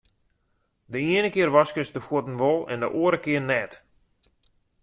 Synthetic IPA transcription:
dəiənəkɪərʋaskəsdəfuətn̩ʋolˠɛ̰ndəʔoəɾəkɪərnɛːt

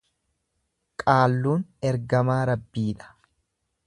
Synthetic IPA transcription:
kʼaːlːuːnɛɾɡɐmaːɾɐbːiːᶑɐ̥

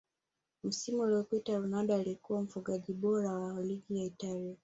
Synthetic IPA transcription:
m̩simuuliɔpitaɾunaɗaːlikuwam̩fuɠaʄiɓɔɾawaliɡijaitalia

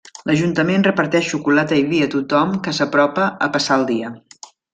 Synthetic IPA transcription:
lʔəʒunt̪əmenrəpəɾt̪ɛʃːukulat̪əiβiət̪ut̪ɔmkəsəpɾɔpəəpəsaəlˠd̪iə

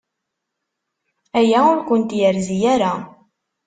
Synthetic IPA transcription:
æjæʊɾkʷʊnt̪jəɾzijæɾa

